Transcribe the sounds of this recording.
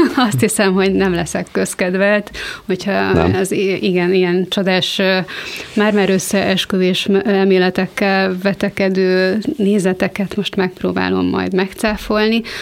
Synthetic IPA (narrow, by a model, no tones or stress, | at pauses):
ɒst̪hisɛmɦo̞ɟnɛmlɛsɛkːøskɛd̪ʋɛlt̪ho̞chɒ̰ɛziɡɛnijɛnt͡ʃod̪aːʃ | maːrmaːɾøsːɛʔɛʃkøveːʃɛlmeːlɛt̪ɛkːɛlvɛt̪ɛkɛd̪øːneːzɛt̪ɛkɛt̪mo̞ʃt̪mɛk̚proːba̰ːlo̞̰mːɒ̰jd̪mɛkt̪saːfo̞lni